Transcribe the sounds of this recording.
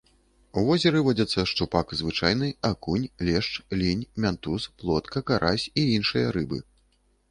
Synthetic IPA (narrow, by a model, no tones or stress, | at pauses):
uvɔzʲɛɾɨvɔd͡zʲɐt̪sːɐʂt̪upakzvɨt͡ʂajn̪ɨakunʲlʲɛʂt͡ʂlʲinʲmʲant̪usplˠɔt̪kɐkaɾʔasʲiinʂɨjɐɾɨbɨ̰